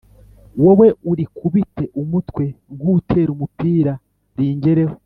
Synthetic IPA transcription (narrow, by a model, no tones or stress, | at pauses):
wowe̞uɾikʰuβite̞ʔumutwe̞ŋɡutʰe̞ːɾumupiːɾa | ɾiːɲɟeɾeho